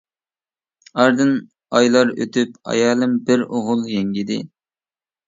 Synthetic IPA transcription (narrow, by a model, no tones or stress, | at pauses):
ɑɾd̪ɨn | ɑjlˠɑɾø̰t̪ypɑ̰jɑːlˠɨmbɪɾoʁʊlˠjɛŋɡʲid̪ɪ̰